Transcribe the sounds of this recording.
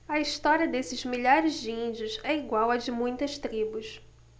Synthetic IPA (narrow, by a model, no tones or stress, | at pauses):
ɐiʃt̪ɔɾiɐd̪esɪzmiʎaɾɪzd͡ʒɪĩnd͡ʒiʊzɛiɡwawɐd͡ʒɪmũj̃t̪ɐʃt̪ɾibʊs